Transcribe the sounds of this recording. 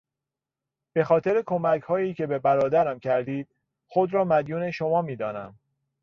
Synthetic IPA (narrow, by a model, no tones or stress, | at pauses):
b̥e̞xɒːt̪ʰe̞ɾe̞kʰomæcʰhɒːjiːcʰe̞be̞bæɾɒːd̪æɾæmcʰæɾd̪iːd̪̥̚ | xod̪ɾɒːmæd̪juːne̞ʃo̞mɒːmiːd̪ɒːnæm